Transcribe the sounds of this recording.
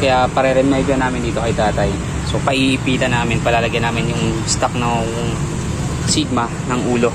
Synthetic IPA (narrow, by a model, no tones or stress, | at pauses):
kɐjapɐɾɛɾɛmɛjbɐnaːmɪnd̪iːt̪o̞kɐjt̪aːt̪ɐj | so̞pɐʔiʔɪpiːt̪ɐnaːmɪnpɐlaːlɐɡanaːmɪnjʊŋst̪ɐk̚nɐ | siɡ̚mɐ | nɐŋʔuːlo̞